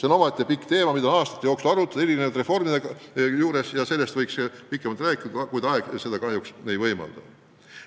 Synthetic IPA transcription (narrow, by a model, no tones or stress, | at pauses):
seno̞mɑt̪ʲˑːepikːˑt̪e̞ːmɑmid̪ɑonɑːst̪ɑ̥t̪ːˑijoːksulɑɾut̪ːˑɑd̪̥eilinevɑt̪re̞fo̞rmid̪eɡɑjuːɾesjɑse̞lːest̪vɤjkspikːˑemɑlt̪ræːkːˑi̥ɑkujt̪ɑeɡ̥se̞d̪ɑkɑɦjuksnejvɤjmɑ̰ld̪̥ɑ